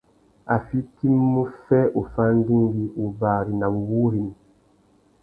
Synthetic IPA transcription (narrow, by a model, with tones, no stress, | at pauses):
a˨fi˦ti˦mːu˦fɛ˦ʔo˨fa˦n˦di˦ŋ˦ɡi˦u˨ba˨ɾi˨na˨m˨wu˦ɾi˨ni˨